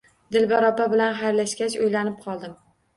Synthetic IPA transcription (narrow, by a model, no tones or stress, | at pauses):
d̪ɪlbaɾɒpabɪlanɦajɾlaʃkʲat͡ʃojlanɪp̚qʰɒlˠd̪ɪm